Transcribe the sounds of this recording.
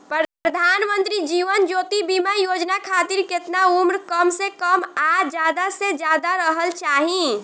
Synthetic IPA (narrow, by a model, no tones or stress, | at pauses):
pɾəd̪ʱaːnmə̃nt̪ɾid͡ʒiʋənd͡ʒoːt̪ibimajod͡ʒnakʰat̪iɾket̪naumɾkəmsekəmad͡ʒjaːd̪ased͡ʒjaːd̪aɾəɦəlt͡ʃaɦĩ